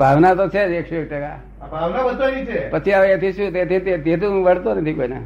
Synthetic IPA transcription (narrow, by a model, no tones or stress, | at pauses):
bʱaʋnat̪ot͡ʃʰed͡ʒekʃuek̚ʈəka̰ | abʱaʋnabəd̪onit͡ʃʰepət͡ʃʰiaʋeet̪ʰiʃũt̪et̪it̪et̪et̪̬ũʋəɽt̪onət̪ʰikoina̰